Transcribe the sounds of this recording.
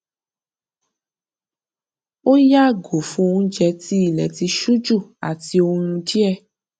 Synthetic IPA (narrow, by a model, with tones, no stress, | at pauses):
o˦ja˦˨ɡo˨fũ˦˧ũ˦d͡ʒɛ˧ti˦i˦˨lɛ˨ti˧ʃu˦d͡ʒu˦˨a̰˨ti˧o˧ŋũ˧d͡ʒi˦ɛ˦˨